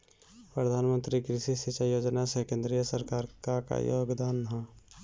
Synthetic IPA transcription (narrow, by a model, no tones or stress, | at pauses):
pɾəd̪ʱaːnmə̃nt̪ɾikɾɪʃisɪt͡ʃajoːd͡ʒnasekẽːnd̪ɾijəsəɾkaːɾkaka̰jo̰ːɡd̪aːnɦã